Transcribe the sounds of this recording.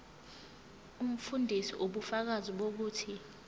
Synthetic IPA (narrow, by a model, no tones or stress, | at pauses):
um̩fundʱisḭʔoɓufak̬aziɓok̬uːtʰi